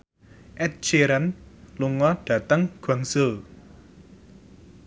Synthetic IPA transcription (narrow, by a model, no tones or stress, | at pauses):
ʔɛt̪̚t͡ʃeɾanluŋɔɖ̥ä̤t̪əŋɡ̥a̤ŋsəl